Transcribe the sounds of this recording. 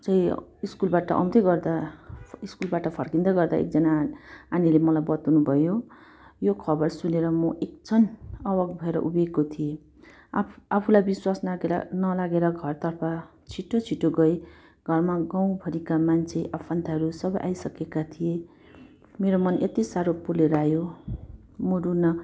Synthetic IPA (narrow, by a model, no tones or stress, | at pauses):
t͡sʌĩiskulbaʈʌ̰ʔʌ̰w̃t̪ʌɡʌrd̪aiskulbaʈʌpʰʌrkind̪ʌjɡʌrd̪a̰ḛk̚d͡zʌnaanilemʌlajbʌt̪wnubʱʌjo | jokʰʌbʌrsuneɾʌmʌʔek̚t͡sʰʌnʌwʌɡbʱʌeɾʌ̰ʔubeɡkot̪ʰie | apʰulajbiswasnɡeɾ̰nʌlaɡeɾʌɡʱʌrt̪ʌrpʰa | t͡sʰiʈːot͡sʰiʈːoɡʌj | ɡ̥ʱʌrmaɡaw̃bʱʌɾikamant͡sʰeʔʌpʰʌnt̪aɦʌɾusʌbʌjʔa̰jsʌkekat̪ʰije | meɾomʌnʔet̪isaɾopuleɾajo | moɾunʌ